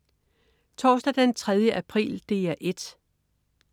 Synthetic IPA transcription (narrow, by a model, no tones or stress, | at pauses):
t͡sʰɒːsd̥æd̥ent͡sʰʁɛð̞ˠjəʔæpʰʁḭːld̥e̝ːæʔe̝d̥